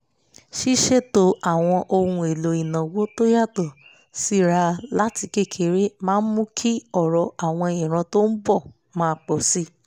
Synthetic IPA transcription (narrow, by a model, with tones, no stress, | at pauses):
ʃi˦ʃe˦˨to˨˦a˨w̃ɔ̃˧ʔo˧hũ˧e˨lo˨i˨nã˨wo˦to˦ja˦˨tɔ˨ | si˦ɾa˧la˦ti˧ke˦˨kʰe˨˦ɾe˦mãː˦mũ˦kʰi˦ɔ˦˨ɾɔ˧a˨w̃ɔ̃˧e˧˨jĩ˨ɾ̃ã˨˧to˦n̩˦bɔ˦˨ | mãː˦k͡pɔ˨si˦